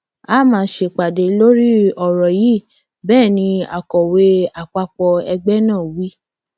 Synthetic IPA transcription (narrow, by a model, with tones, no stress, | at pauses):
a˦mãː˦ʃe˧˨k͡pa˨de˨˦lo˦ɾi˦ɔ˨ɾɔ˨ji˦˨ | bɛː˦˨nĩ˧a˨kɔ˨we˧˦a˨k͡pa˧k͡pɔ˧ɛ˧ɡ͡bɛ˦nãː˦˨wi˦